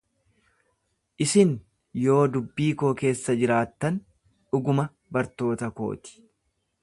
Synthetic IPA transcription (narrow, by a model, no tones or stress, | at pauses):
ʔɪsɪn | jo̞ːd̪ʊbːiːko̞ːke̞ːsːɐd͡ʒɪɾaːt̪ːɐn | ᶑʊɡʊmɐ | bɐɾt̪o̞ːt̪ɐko̞̰ːt̪ɪ̥